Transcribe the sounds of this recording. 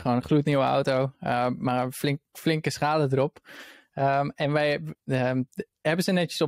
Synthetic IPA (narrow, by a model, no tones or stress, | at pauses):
χoːnəχluətniwəa̰wtowəmaflɪŋflɪŋkəsχaːlədəɾɔp | əɛnʋɛjə | hɛbənsənɛtjəsɔ